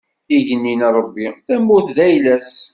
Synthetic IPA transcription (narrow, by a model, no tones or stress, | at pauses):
iʝənːinɾˤəbːiθæmːʊθðæjlæs